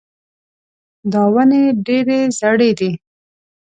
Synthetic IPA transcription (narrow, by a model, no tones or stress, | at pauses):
d̪ɑwəneɖeɾezaɽed̪i